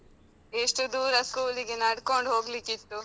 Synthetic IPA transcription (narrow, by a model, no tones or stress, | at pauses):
eʂʈud̪uːɾɐskuːliɡenɐɽko̞ɳɖɦo̞ːɡlikit̪ːu